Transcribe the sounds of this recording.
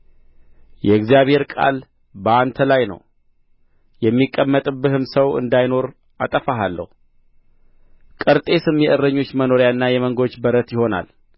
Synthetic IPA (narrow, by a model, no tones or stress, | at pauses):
jɛɨɡzijaβhe̞ɾkʼa̰l | bəant̪ʰəlajnə̰w | jɛmːikʼːəmːət̪ʼɨbːɨhɨmsəwɨ̰nd̪ajno̞ɾ | ʔa̰t̪ʼəfaɦalːə̰hu | kʼɨɾt̪ʼe̞sɨmjɛʔɨrːəɲːo̞t͡ʃːməno̞ɾjaɨnːajɛməŋɡot͡ʃːbəɾət̪jɪho̞na̰l